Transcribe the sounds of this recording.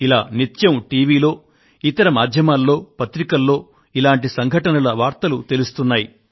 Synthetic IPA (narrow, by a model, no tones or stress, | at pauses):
ilaːnit̪jɐmʈiːʋiːlo̞ː | it̪ɐɾɐmaːd̪ʱjɐmaːlːo̞ːpɐt̪ɾikɐlːo̞ː | ilaːɳʈisɐŋɡʱɐʈɐnɐlɐʋaːɾt̪ɐlut̪e̞lust̪unːaːji